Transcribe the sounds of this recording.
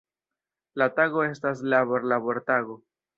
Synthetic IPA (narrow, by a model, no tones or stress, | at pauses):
lataɣo̞e̞stas̬laβoɾlaβo̞ɾtaɡo̞